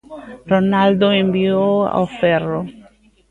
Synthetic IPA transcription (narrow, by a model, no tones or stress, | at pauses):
ronald̪oẽmbioa̰wfɛro